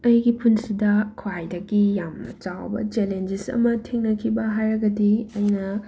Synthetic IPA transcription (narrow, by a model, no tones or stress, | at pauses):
ɐjɡipʰunsidɐkʰwajdɐɡijamnɐ̰t͡ʃawbɐ̰t͡ʃelend͡ʒisɐ̰mɐtʰeŋnɐkʰibɐɦajɾɐɡɐdiɐjnɐ